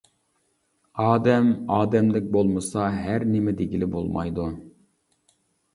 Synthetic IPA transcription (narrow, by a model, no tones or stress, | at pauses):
ɑːd̪ɛmɑːd̪ɛmd̪ɪk̚ʲbolˠmɨsɑɦæɾnɪmɛd̪eɡʲilɪbo̰lˠmɑ̰jd̪u